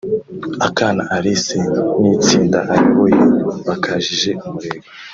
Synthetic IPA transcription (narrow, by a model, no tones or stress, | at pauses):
akaːnaʔaɾisenit͡siːnda̰ʔaɾiβojeβakʰaʒiʒe̞umuɾe̞ːɡo